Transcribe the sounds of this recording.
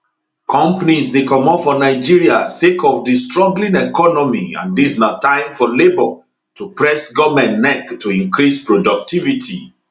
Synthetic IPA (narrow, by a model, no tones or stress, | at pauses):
kʰɔ̃mpanisdekɔmɔfɔnaɪd͡ʒiɹiasekʰɔvdistɹɔ̃ŋɡlĩnɛkɔnɔmiã̰ndisnatãɪ̃mfɔlebɔ | tupɹɛsɡɔmɛ̃nːɛktːuĩŋkɹispɹɔdɔk̚tivitḭ